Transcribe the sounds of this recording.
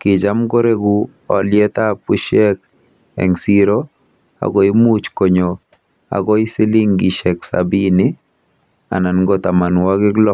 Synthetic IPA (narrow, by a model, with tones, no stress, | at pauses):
kɪ˨t͡ʃa˦mɡo˦ɾe˦ɡu˦ | ɔ˨lɪjɛ˦t̪a˦pu˦ʃɛ˦k̚ | ɛ̰˨ŋsiɾo˦ | a̰˨ɡɔ˨i˦mu˦t͡ʃko˨ɲo˨ | a̰˨ɡɔ˦i˦sɪ˦li˦ŋɡi˨ʃɛ˨ksa̰binɪ˦ | a̰˨na˨nɡɔ˦t̪a˨ma˨nwa˦ɡɪ˦ɡlɔ˦